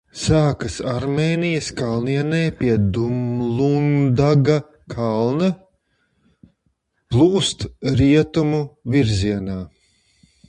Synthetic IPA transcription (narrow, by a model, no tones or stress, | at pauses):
saːkɐsaɾmeːnijɐskalˠniɛnɛːpiɛd̪umlˠund̪aɡa | kʰalˠnɐ | plˠuːst̪ɾiɛt̪umuviɾziɛnaː